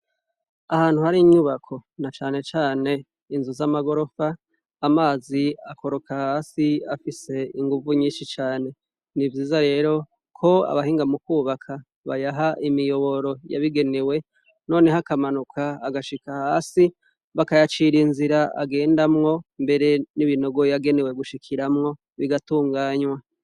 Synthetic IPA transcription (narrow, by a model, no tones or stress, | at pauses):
ahaːn̥huhaɾiɲuβakʰo̞nat͡ʃaːne̞t͡ʃaːne̞ | inzuzamaɡo̞ɾo̞faː | maːziako̞ɾo̞kʰahasiafise̞iŋɡuvuɲiːnʃit͡ʃaːne̞ | nivjiːzaɾe̞ːɾo̞ | kʰo̞a̰βahiːŋɡamukuːβakʰa | βa̰jaɦaʔimijo̞βo̞ɾo̞ja̰βiɡe̞ne̞we̞ | no̞ːne̞ɦakamanukʰaːɡaʃikahaːsi | βakajat͡ʃiɾinziɾaa̰ɡe̞ːndamŋo̞mbe̞ɾe̞niβino̞ɡo̞jaɡe̞ne̞we̞ɡuʃikʰiɾamŋo̞ | βiɡatuːŋɡaːɲwa